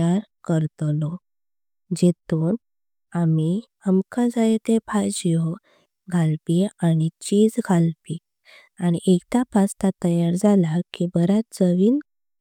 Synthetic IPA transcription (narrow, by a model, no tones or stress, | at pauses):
aɾkəɾt̪lɔ | d͡ʑet̪uːn | ami | əmkãd͡zajet̪epʰad͡ʑijo | ɡʱalpiaɽ̃it͡ɕid͡zɡʱalpi | aɽ̃iʔekt̪apʰast̪at̪əjaɾd͡zʱalakibəɾatd͡zəʋiːn